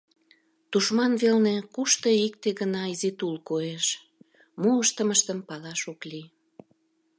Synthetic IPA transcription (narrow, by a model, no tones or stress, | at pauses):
t̪uʃmɑnβelnekuʃt̪əik̚t̪eɣənɑizit̪ulkoeʃ | moəʃt̪əməʃt̪əmpɑlɑʃokli